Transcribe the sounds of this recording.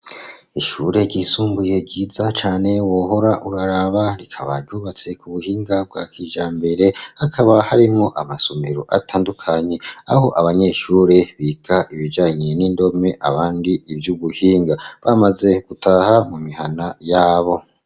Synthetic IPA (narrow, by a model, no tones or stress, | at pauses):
iʃuɾe̞ɟisuːmbuje̞ɟiːzat͡ʃaːne̞woɦo̞ɾaʔuɾaɾaβaɾikʰaβa̰boβat͡se̞kuβuhiːŋɡab̚ɡwaːkiːʒaːmbe̞ɾe̞hakʰaβahaɾimŋoʔamaso̞me̞ɾo̞ʔatʰaːndukʰaɲe̞a̰ho̞ʔaβaɲe̞ʃuːɾe̞βiːkʰaʔiβid͡ʒaːɲe̞nindo̞me̞ʔaβaːndiibjuβuhiːŋɡaβamaze̞ɡ̥utʰaːhamumihanajaːβo̞